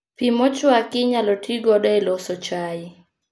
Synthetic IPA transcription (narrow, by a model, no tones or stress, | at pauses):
pimɔt͡ʃɔakɪɲalɔtʰiɡɔɗaɛlɔsɔt͡ʃai